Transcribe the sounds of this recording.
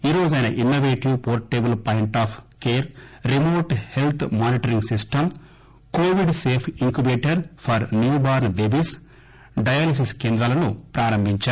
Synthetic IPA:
iːɾo̞ːd͡ʒɐjnɐʔinːoʋeːʈiʋpoːɾʈeːbɐlpaːjiɳʈaːpʰkeːɾɾimoːʈhelt̪ʰmaːniʈɐɾiŋɡsisʈɐm | koːʋiɖseːpʰiŋkjubeːʈɐɾpʰɐɾnjuːbaːɾnb̪eːbis | ɖɐjaːlis̬iskeːnd̪ɾɐlɐnupɾaːɾɐmbʱiɲt͡ʃaːɾu

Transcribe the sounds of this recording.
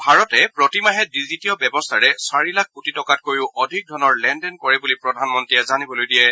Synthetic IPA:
bʱaɹɔtɛpɹɔtimaɦɛdizitijɔbjɛbɔstʰaɹɛsaɹilak̚ʰkutitɔkat̚koɹiʊʔɔdʱik̚dʱɔnɔɹlɛndɛnkɔɹɛbulipɹɔdʱanmɔntɹijɛzanibɔlojdijɛ

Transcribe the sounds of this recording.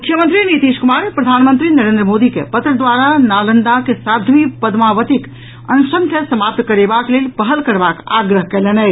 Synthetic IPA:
mmukʰjəmə̃nt̪ɾinit̪iʃkumaɾpɾəd̪ʱanmənt̪ɾinəɾẽnd̪ɾəmod̪ikḛpət̪ɾəd̪ʋaɾanalənd̪akesad̪ʱʋipəd̪maʋət̪ik | ənusəŋk̪ʰesəmap̚t̪kəɾebaklelpəɦəlkəɾbaka̰ɡɾəɦkɛlɛnɛ

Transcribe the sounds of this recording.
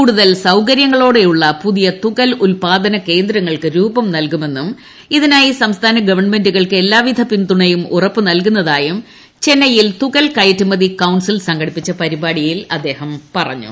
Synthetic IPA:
kuːɽuðɐlsɐwkɐɾjɐŋːɐɭo̞ːɽe̞juɭːɐpuðijɐt̪uɣɐlulpaːd̪ɐnɐke̞ːnd̪ɾɐŋːɐɭkɨɾuːbɐmnɐlkume̞nːum | iðinaːjisɐmst̪ʰaːnɐɡɐʋɐɳme̞nduɣɐɭkɨe̞lːaːʋid̪ʱɐpind̪uɳɐjumurɐpːɨnɐlkunːɐðaːjum | t͡ɕe̞nːɐjilt̪uɣɐlkɐjtːumɐðikɐwɳsilsɐŋɡɐɽipːit͡ɕːɐpɐɾibaːɽijilɐd̪ːe̞ːhɐmpɐrɐ̰ɲːṵ

